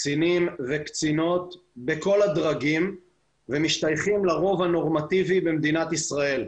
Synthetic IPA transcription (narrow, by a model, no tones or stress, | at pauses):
t͡sinimvekt͡sino̞t̪beko̞lad̪ʁaɡim | vemiʃt̪ajχimlaʁo̞vano̞ʁmat̪ivibemd̪inat̪isʁae̞l